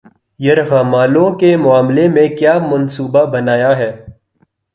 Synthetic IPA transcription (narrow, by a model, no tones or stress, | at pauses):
jɐɾɣaːmaːlõkemʊaːmlemẽkjaːmɐnsuːbabɐnaːjaɦɛː